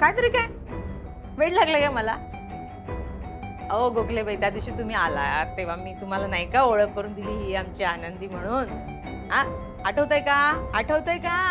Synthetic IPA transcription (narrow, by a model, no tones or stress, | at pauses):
kajt̪əɾiːkaj | ʋeʈlaɡləkajməla | oɡoklebəjt̪jad̪iɕiːt̪um̤iːala̰t̪ːeʋ̤amiːt̪um̤alanajkaoɭəkːəɾuːnd̪iliːɦiamt͡ɕianənd̪iːm̤əɽ̃uːn | ɦa | aʈʰəʋt̪əjkãaʈʰəʋt̪əjkã